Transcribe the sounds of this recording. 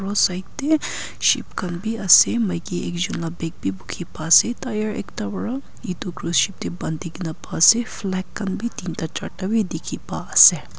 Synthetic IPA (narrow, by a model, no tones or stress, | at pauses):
ɾosɐjk̚t̪e | ʃḭpkɐnbiɐsemɐjkiḛkd͡ʒunlabek̚bibukʰipaːset̪ajɐɾḛkt̪ɐbɐɽa | it̪okɾusʃip̚t̪ebɐnd̪iɡnapaseflɛkːɐnbʱit̪int̪at͡ʃɐ̰ʈabʱid̪ikʰipaɐse